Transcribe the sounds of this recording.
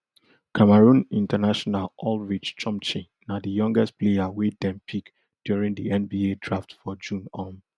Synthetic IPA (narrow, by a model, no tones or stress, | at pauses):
kʰamaɹũnĩntʰanaʃɔnalʔɔlɹit͡ʃt͡ʃɔ̃mt͡ʃĩ | nadəjɔ̃ŋɡɛst̚pleawet̚dɛ̃mpʰik | d̥juɹĩŋdiɛ̃nbiedɹaftfɔd͡ʒũnɔ̃n